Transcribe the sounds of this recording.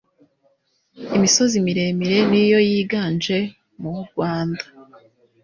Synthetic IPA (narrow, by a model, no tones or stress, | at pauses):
imiso̞zimiɾe̞miɾe̞nijo̞jiːɡaːnd͡ʒe̞ | muuɾɡwaːndḁ